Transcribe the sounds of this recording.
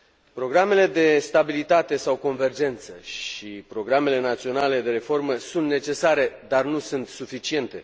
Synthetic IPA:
pɾo̞ɡɾame̞le̞d̪e̞st̪abilit̪at̪e̞sawko̞nve̞rd͡ʒe̞nt̪səʃipɾo̞ɡɾame̞le̞nat̪sio̞nale̞d̪e̞ɾe̞fo̞rməsunt̪ne̞t͡ʃe̞saɾe̞d̪arnusunt̪sufit͡ʃie̞nt̪e̞̰

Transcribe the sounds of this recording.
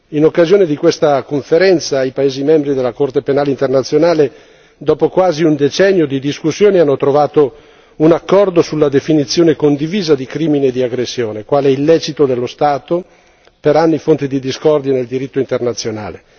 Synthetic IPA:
inokːazijoːned̪ikwest̪akoɱfeɾɛnt̪saːjpaeːzimɛmbɾid̪elːakort̪epenaːleint̪ernat̪sːjonaːle | d̪ɔːpokwaːziund̪et͡ʃɛnːjod̪id̪iskusːjoːneanːot̪ɾovaːt̪o | unakːɔrd̪osulːad̪efinit̪sːjoːnekond̪iviːzad̪ikɾiːmined̪iaɡɾesːjoːnekwaːlɛilːɛːt͡ʃit̪od̪elːost̪aːt̪o | peɾanːifont̪id̪id̪iskɔrd̪joneld̪iɾit̪ːoint̪ernat̪sːjona̰ːle

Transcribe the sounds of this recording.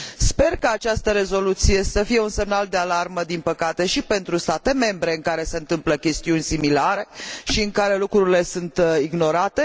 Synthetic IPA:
spe̞rkaːt͡ʃast̪əɾe̞zo̞lut̪sijesəfije̞unse̞mnald̪e̞alarməd̪inpəkat̪e̞ʃipe̞nt̪ɾust̪at̪e̞me̞mbɾe̞ɨŋkaɾe̞se̞ɨnt̪ɨmpləkʲe̞st̪iunʲsimilaɾe̞ʃiɨŋkaɾe̞lukɾuɾile̞sunt̪iɡno̞ɾat̪e̞

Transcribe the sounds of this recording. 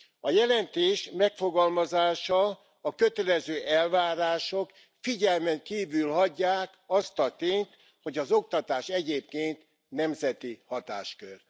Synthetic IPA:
ɒjɛlɛnt̪eːʃmɛkfoɡɒlmɒzaːʃɒ | ɒkø̞t̪ɛlɛzøːʔɛlvaːɾaːʃok | fiɟɛlmɛŋkiːvylɦɒɟːaːkɒst̪ɒt̪eːnt̪ | ho̞ɟɒzo̞kt̪ɒt̪aːʃɛɟeːp̚keːnt̪ | nɛmzɛt̪ihɒt̪a̰ːʃkør

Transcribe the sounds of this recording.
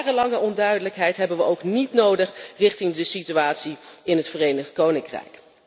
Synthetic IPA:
rəlɑŋəɔndœɥdələkɦɛjtɦɛbənʋəʔowknitnowdəχrɪχtɪŋdəsityaːtsiɪnɦətfərejnəχtkownɪŋkrɛ̰jk

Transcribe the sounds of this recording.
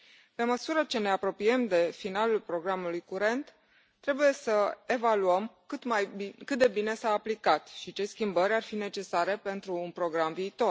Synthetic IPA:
pe̞məsuɾət͡ʃe̞ne̞apɾo̞pie̞md̪e̞finalulpɾo̞ɡɾamulujkuɾe̞nt̪ː | ɾe̞buje̞səe̞valuəmkɨt̪majkɨt̪̚d̪e̞bine̞saːplikat̪ʃit͡ʃe̞skʲimbəɾʲarfine̞t͡ʃe̞saɾe̞pe̞nt̪ɾuːnpɾo̞ɡɾamviːt̪o̞r

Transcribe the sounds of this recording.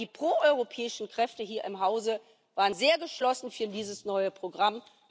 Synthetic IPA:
iːpʁ̥oːʔɔʏʁopʰɛːɪʃn̩kʁ̥ɛftəɦiːɐʔɪmɦaʊzə | vaːʁənzeːɐɡəʃlɔsn̩fyːɐdiːzəsnɔʏəpʁ̥oɡʁam

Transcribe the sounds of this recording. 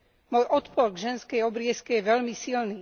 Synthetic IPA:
mʊɔjʔɔt̪pɔɾɡʒɛnskɛjɔbɾɪɛskɛjɛʋɛlmisilniː

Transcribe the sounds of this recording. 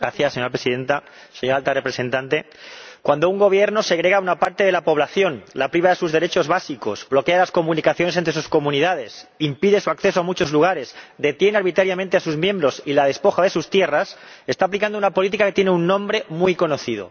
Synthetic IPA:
ɡɾaθjaseɲo̞ɾapɾe̞siðe̞nt̪a | se̞ɲo̞ɾalt̪arepɾese̞nt̪ant̪e̞ | kwand̪o̞uŋɡo̞β̞je̞ɾno̞seɣ̞ɾe̞ɣ̞aunapaɾt̪e̞ðe̞lapo̞β̞laθjo̞nlapɾiβ̞aðe̞suzðe̞ɾet͡ʃo̞zβasiko̞sblo̞ke̞alasko̞mũnikaθjo̞nes̬ent̪ɾes̬usko̞mũniðaðe̞simpiðe̞suakθesoamut͡ʃo̞zluɣ̞aɾe̞sd̪e̞t̪je̞naɾβit̪ɾaɾjamẽnt̪e̞asuzmjẽ̞mbɾo̞silað̞e̞spo̞xaðe̞sust̪je̞rase̞st̪aːplikand̪ounapo̞lit̪ikake̞t̪je̞neunːõ̞mbɾe̞mujko̞noθið̞o̞̰

